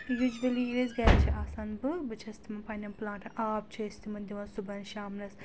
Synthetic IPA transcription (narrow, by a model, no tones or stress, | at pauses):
jud͡ʒʋɐliɦiɾezɡɛːt͡ʃʰiʔaːsaːnbɨbɨt͡ʃʰɐst̪imɐnpɐnɐmplãːɳʈʰɐʔaːp̚t͡ʃʰɐst̪imɐnd̪iʋɐnsubɐnʃaːmnɐs